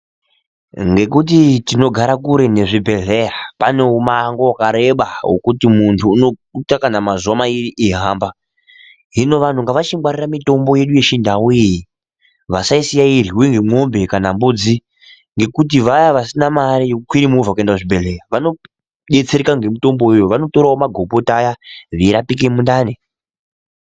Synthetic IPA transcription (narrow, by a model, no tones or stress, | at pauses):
ŋɡe̞k̬ut̬itino̞ɡʱaɾakuɾe̞ne̞ʐibʱe̞ɮe̞rapane̞umaŋɡowakaɾeɓaɦo̰kutimuntʰuːno̞utakanamazuwamairiʔiɦaːmba | ɦino̞ʋantuŋɡaʋat͡ʃiŋwaɾiramito̞mbo̞je̞ɗuje̞ʃindawuiji | ʋasaisijaiɾiweŋɡemo̞mbe̞kanambud͡zi | ŋɡe̞kut̬iʋajaʋasinamaɾijokukiɾimuuvakue̞ndakuʐibʱe̞lekaʋano̞ | ɗe̞t͡se̞ɾekaŋɡe̞mito̞mbojejoʋano̞to̞ɾaomaɡʱo̞po̞tajaʐiɾapik̬emundaːne